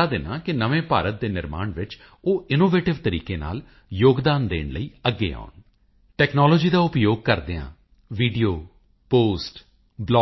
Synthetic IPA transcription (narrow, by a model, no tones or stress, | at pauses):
aːd̪eːnãːkɪnəʋẽːpaːɾət̪̚d̪eːnɪɾma̰ːɳʋɪt͡ʃ | oːʔɪnoːʋeːʈɪʋt̪əɾḭːkeːna̰ːl | joːɡd̪aːnd̪ḛːɳləiːəɡːḛːa̰ːʊn | ʈɛːknɔːloːd͡ʒiːd̪aːʊpjoːɡ̚kəɾd̪eːã̰ː | ʋiːɖijoː | poːsʈ | blɔː